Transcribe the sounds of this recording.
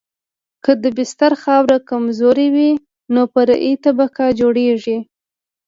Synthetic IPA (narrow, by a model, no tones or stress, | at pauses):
kəd̪əbɪst̪aɾxɑwɾakamzoɾewi | nopəɾa̰ʔit̪abakɑd͡ʒoɽeʐi